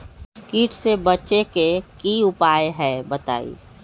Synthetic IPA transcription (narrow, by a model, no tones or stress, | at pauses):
kiːʈʰsebət͡ʃekekiʊpaːeɦɛːbət̪a̰ːḭː